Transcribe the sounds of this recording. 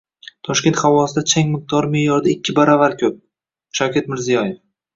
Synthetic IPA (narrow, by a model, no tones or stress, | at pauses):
t̪ʰɒʃkʲe̞nt̪χawɒsɪd̪at͡ʃʰaŋʲmɪq̚d̪̥ɒɾmɪjɒɾd̪aɪkʲːɪbaɾavaɾkʰʲɵp̚ | ʃawkʲat̪mɪɾzijɒjef